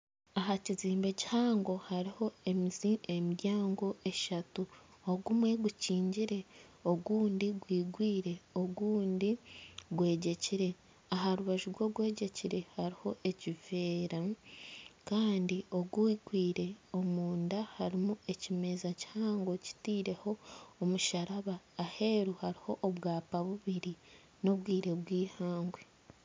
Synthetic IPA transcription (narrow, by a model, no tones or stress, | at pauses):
aɦaciziːmbe̞ci̥haːŋɡo̞haɾiho̞ | miɾjaːŋɡo̞ʔe̞ʃatu | oɡumwe̞ɡuciːɲɟiɾe̞ | o̞ɡuːndiɡwiːɡwiːɾe̞o̞ɡuːndiɡwe̞ːɟe̞ciɾe̞ | aɦaɾuβaʒuɾɡwo̞ɡwe̞ːɟe̞ciɾe̞haɾiho̞ʔe̞cive̞ːɾa | kaːndio̞ɡuikwiːɾe̞o̞muːndahaɾimue̞cime̞zaci̥haːŋɡwo̞ci̥tiːɾe̞ho̞ːmuʃaɾaβaːhe̞ːɾuhaɾiho̞ʔːβɡaːpaβuβiɾi | no̞βwiːɾe̞βɡwiːhaːŋɡwe